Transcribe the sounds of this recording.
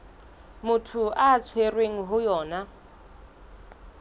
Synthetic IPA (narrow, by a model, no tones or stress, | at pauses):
mutʰuʔat͡sʰwerweŋ̩ɦujɔːna